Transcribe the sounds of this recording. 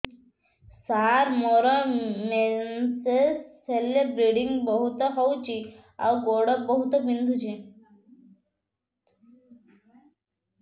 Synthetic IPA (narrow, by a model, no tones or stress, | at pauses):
saɾmɔɾəmesesːelebɾeɽiŋɡbəɦut̪əɦowt͡ɕi | a̰wɡoɽəbəɦut̪əbind̪ʱut͡ɕi